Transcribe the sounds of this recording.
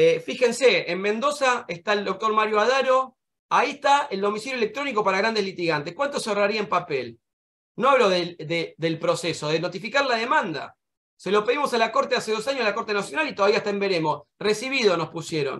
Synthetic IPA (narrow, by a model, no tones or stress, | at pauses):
fixe̞nseːmmẽnd̪o̞saest̪aeld̪o̞k̚t̪o̞ɾmaɾjoaðaɾo̞ | aieht̪aeld̪o̞misiɾjoelek̚t̪ɾo̞niko̞paɾaɣɾand̪e̞zlit̪iɣant̪ehkwant̪o̞seraɾiaempapel | noaβloðed̪ed̪elpɾo̞seso̞ðeno̞t̪ifikaɾlaðe̞mãnd̪a̰ | se̞lo̞pe̞ðimo̞salako̞ɾt̪ease̞ðo̞saɲjosalako̞ɾt̪e̞nasjo̞nalit̪oðaβiaest̪aembeɾe̞mo̞sresiβiðo̞nospusjeɾo̞̰n